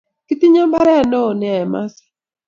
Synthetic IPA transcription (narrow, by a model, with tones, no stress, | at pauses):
ki˦ti˦ɲɔ˦mba˦ɾɛ˦a˨no˦˨nɛ˨˦ɛ˨ma̰˦sḁ˨